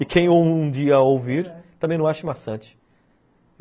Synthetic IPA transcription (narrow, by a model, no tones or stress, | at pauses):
ɪkʰẽj̃owũũd͡ʒiɐowviɾt̪ɐ̃mẽnɐ̃w̃aʃɪmasɐ̃t͡ʃɪ̥